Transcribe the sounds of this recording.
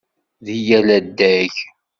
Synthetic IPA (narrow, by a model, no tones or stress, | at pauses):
ðijælæd̪ːæç